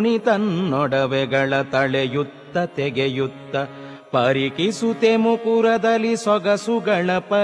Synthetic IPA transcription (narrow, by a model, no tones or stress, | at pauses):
nit̪ɐnːɔɽɐʋɛɡɐɭɐt̪ɐɭejut̪ːɐt̪ɛɡejut̪ːɐ | pɐɾikisut̪emukuɾɐd̪ɐlːisɔɡɐsuɡɐɭɐpɐ